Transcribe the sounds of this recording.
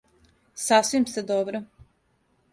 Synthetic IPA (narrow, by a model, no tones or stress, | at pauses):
sasʋimst̪ed̪obɾo